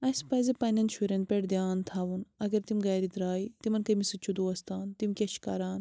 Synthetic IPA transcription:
ɐjspɐjzɐpɐnɐnʃʰuɾɐnpeɽd̪ʲjaːnt̪ʰaːʋunɐɡɐɾt̪imʲɡɐːɾid̪ɾaːit̪imɐnkɐmisɐt͡ʃʰud̪uɐst̪aːnt̪imʲkʲɐʃkaɾaːn

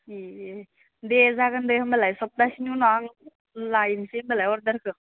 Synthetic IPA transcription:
i | dezaɡɯndejhɯmbalajsɔp̚dasinunɔaŋ | lajnsembelajɔɾdaɾkʰɯ

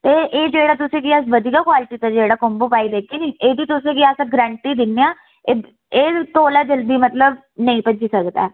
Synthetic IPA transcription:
t̪eːʔeːd͡ʒeːɽaːt̪ʊsẽːkiəsʋəd̪iɡaːkwaːlɪʈiːt̪aːd͡ʒeːɽaːkomboːpaːiːd̪eːkʰeːniːʔeːd̪iːt̪ʊsẽːkiasãːɡɾɛ̃ːɳʈiːd̪ɪnːeãː | eː | eːt̪oːlaːd͡ʒəld̪iːmət̪ləb | nəĩːpəd͡ʒiːsəkd̪a̰ɛː

